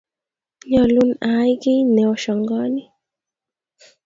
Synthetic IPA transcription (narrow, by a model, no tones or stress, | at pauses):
ɲɔlunajɡinɛɔʃɔŋɡɔni